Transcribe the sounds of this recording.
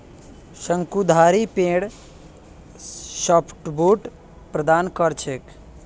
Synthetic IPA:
səŋkud̪ʱaɾipẽɽ | ʃəpʰʈbuʈ | pɾəd̪aːnkəɾt͡ʃʰek

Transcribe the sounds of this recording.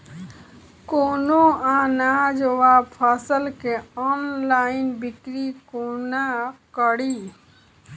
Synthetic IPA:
konoãnad͡ʒəʋabpʰasəlkeɔnlainbikɾikonakəɽi

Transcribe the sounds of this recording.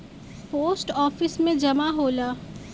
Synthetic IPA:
poːsʈɔːfɪsmẽd͡ʒɐmaɦoːlaː

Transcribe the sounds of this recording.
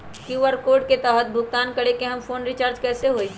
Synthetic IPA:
kjuʋəɾkoːɾɖket̪ɛːɦət̪̚bʱʊɡ̚t̪aːnkɐɽekeɦɐmfoːnɾɪt͡ʃaːɾd͡ʒkɛːseɦoːi

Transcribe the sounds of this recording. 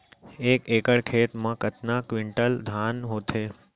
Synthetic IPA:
ekekəɽkʰeːt̪mãkət̪nakʋɪɳʈəld̪ʱanɦot̪ʰe

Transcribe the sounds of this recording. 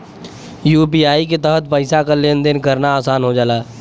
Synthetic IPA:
juːp̬iːaːiket̪əɦət̪pəɪsakaleːnd̪ɪnkəɾnaaːsaːnɦod͡ʒaːlaː

